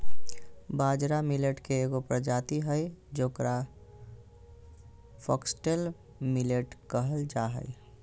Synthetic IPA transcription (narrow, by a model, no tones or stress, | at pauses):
baːd͡ʒɾamileʈkeːɡopɾəd͡ʒat̪iɦəjd͡ʒoːkɾa | pʰɔksʈel | mileʈkəɦəld͡ʒaɦə̰j